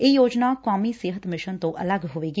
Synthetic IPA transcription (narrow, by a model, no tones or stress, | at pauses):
ɪjoːd͡ʒnaːkaːmiːsɪɦət̪mɪʃənt̪õːʔələɡɦoːʋeːɡ